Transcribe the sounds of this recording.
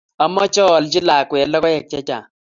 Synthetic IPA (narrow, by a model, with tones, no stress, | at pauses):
a˦mɔ˦t͡ʃɔː˦˨lt͡ʃi˦la˨kwɛ˨lːɔ˦kɔ˦jɛ˨k̚t͡ʃɛ˦t͡ʃa̰˨